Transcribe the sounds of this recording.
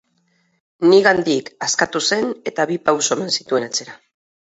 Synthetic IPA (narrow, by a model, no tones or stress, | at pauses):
niɣand̪ikaskat̪use̞ne̞t̪aβipawsoeme̞nsit̪ue̞nat͡se̞ɾa